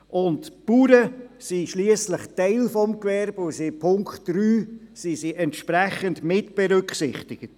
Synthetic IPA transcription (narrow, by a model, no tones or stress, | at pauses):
ʔʊntpuːɾəsiʃliəsləχteɪlfɔmkʋɛɾbʊsipʰʊŋkχtɾyːsisiʔɛntʃpɾɛχəndmɪtb̥ɛɾʏkχsɪχtɪɡ̥ət